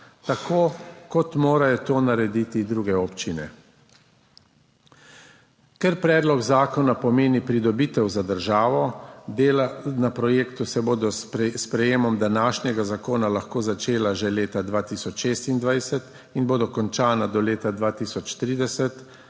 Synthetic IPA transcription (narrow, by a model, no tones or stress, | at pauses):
t̪akʰoːkɔt̪moːɾajɔt̪oːnaɾɛd̪iːt̪id̪ɾuːɡɛɔːpt͡ʃinɛ̰ | kɛɾpɾɛːd̪lɔɡzaːkɔnapɔmeːnipɾid̪ɔbiːt̪ɛwzad̪əɾʒaːʋɔd̪eːlanapɾɔjeːkt̪usɛboːd̪ɔspɾɛjeːmɔmd̪anaːʃnɛɡazakoːnalaxkoːzat͡ʃeːlaʒɛleːt̪ad̪ʋaːt̪iːsɔt͡ʃʃeːst̪ind̪ʋajsɛt̪ | inboːd̪ɔkɔnt͡ʃaːnad̪ɔleːt̪ad̪ʋaːt̪isɔt͡ʃt̪ɾiːd̪ɛsɛt̪